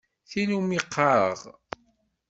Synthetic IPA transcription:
θinumiqʰːɑɾˤə̰ʁ

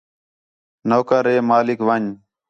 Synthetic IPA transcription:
noːkəɾeːmaːlɪkʋəɲ

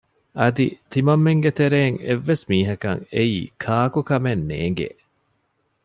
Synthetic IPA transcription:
ʔɐd̪it̪imɐmːeŋɡet̪eɾeːŋḛʋːesmiːɦɐkɐ̰ŋeiːkʰaːkukɐmenːḛːŋ̆ɡḛ

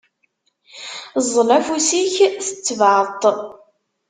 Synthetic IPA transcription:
zˤlæfusiçθə̥t͡sːvt̪ˤ

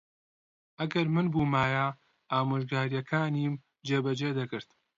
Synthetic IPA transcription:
ʔɐɡɐɾmɨnbuːmaːja | ʔaːmɨʒɡaːɾijɐkʰaːniːm | d͡ʒeːbɐd͡ʒeːd̪ɐkɨɾt̪

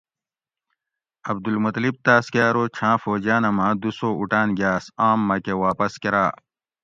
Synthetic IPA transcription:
ɐb̚d̪ulmut̪lib̚t̪aːskʲjaːɾoːt͡ɕʰãːfoːd͡ʑaːnɐmãːd̪usoːuʈaːnɡʲaːsaːmːɐkewaːpɐskeɾaː

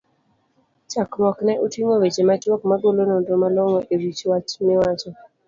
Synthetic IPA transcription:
t͡ʃakmɔknɛʔotwiŋowet͡ʃemat͡ʃwɔkmaɡolonondomalɔŋɔʔewit͡ʃwat͡ʃmɪwat͡ʃɔ

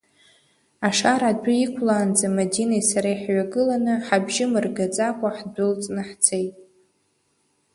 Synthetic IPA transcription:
aʂaɾadʷaikʷʰlaːnd͡zamadinajsaɾaiħɥaɡɨlanɨħabʒɪmɨrɡat͡sʼakʷʼaħdʷʊlt͡sʼnɨħt͡sʰejtʼ

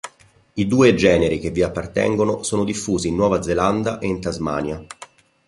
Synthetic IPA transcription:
id̪uːed͡ʒɛːneɾik̟evːiapːart̪ɛ̰ŋɡonosoːnod̪ifːuːziːnːwɔːvad̪zeland̪aʔeint̪azma̰ːnja

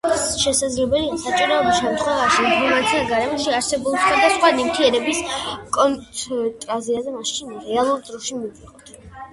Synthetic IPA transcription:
ʃɛsad̪zlɛbɛliasat͡ʃʼiɾɔɔbisʃɛmt̪χɛvaʃiimpʰɔɾmat̪sʰiaɡaɾɛmɔʃiaɾsɛbulˠsχwad̪asχwanimt̪ʰiɛɾɛbiskʼɔnt̪ʼɾaziazɛmaʃt͡ʃ̪ʰinɾɛalˠuɾd̪ɾɔʃimiviqʼɔt̪ʰ

